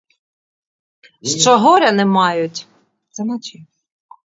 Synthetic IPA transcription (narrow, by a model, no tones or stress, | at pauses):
ʃt͡ʃɔɦɔɾʲɐnɛmɑjʊt̪ʲ | sɛnat͡ʃi